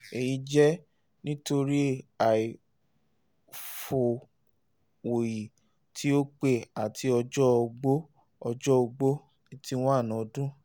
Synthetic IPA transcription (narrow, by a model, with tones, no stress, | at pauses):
e˨ji˨˧d͡ʒɛ˦ | nĩ˦to˧ɾi˦e˨a˨i˨ | fo˨ | o˨ji˨ | tʰi˦o˦k͡pe˦˨a˨tʰi˧˦ɔ˧d͡ʒɔ˦o˧ɡ͡bo˦ | ɔ˧d͡ʒɔ˦o˧ɡ͡bo˦ | i˨ti˧˦w̃ɔ̃˦a˦˨nã˨dũ˦